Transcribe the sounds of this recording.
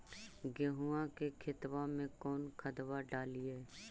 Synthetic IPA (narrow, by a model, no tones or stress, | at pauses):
ɡeɦuãkekʰɪt̪wamẽkɔːnkʰət̪waɖaːliɛː